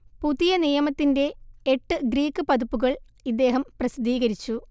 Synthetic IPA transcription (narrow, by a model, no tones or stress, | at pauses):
puðijɐnijɐmɐt̪ːinde̞ːʈːɨɡɾiːkːɨpɐðupːuɣɐɭ | id̪ːeːɦɐmprɐsid̪ʱiːɣɐɾit͡ɕːu